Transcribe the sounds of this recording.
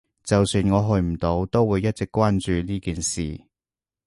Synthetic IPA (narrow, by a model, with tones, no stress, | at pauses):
t͡sɐ˨wsyː˧nŋɔː˨˧ɦɵ˧ɥm̩˨˩t̪o˨˧wt̪o˥wuː˨˧jɐ˥t̚t͡sɪ˨kːʷaː˥nt͡ʃyː˨˧niː˥kiː˨nsḭː˨˩